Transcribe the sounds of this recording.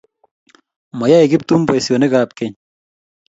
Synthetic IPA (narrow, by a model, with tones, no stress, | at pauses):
mɔ˨ja˦e˨kɪ˦p̚t̪u˦mpɔ˨jsjo˨ne˦kaːpke˦ɲ